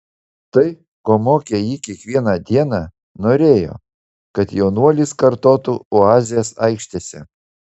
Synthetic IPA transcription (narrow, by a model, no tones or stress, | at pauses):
t̪ɐɪ | koːmoːkʲejiːkʲiɛkʋʲiɛnɑd̪ʲiɛnɑː | noːɾʲeːjo̰ː | kɐt̪jɛʊnuɔlʲiskɐɾt̪oːt̪uoːɑːzʲɪjɛsɐɪkʃʲt̪ʲeːsʲɛ